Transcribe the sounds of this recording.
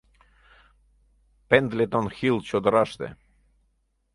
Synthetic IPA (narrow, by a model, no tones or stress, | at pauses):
pend̪let̪onxilt͡ɕod̪ə̆ɾɑʃt̪ḛ